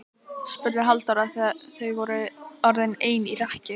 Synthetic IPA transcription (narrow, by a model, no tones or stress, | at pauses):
spʏɾɪɦalt̪aɾaθθejvɔɾʏɔɾðɪneːjnirɛhcɪ